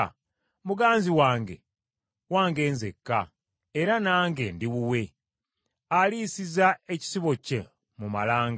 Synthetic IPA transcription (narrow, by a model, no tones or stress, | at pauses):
muɡaːnziwaːŋɡe̞̰ | waːŋɡe̞ːnzekːa | eɾanaːŋɡe̞ndiβuwe̞ | aliːsizae̞ci̥siβo̞ce | mumalaːŋɡ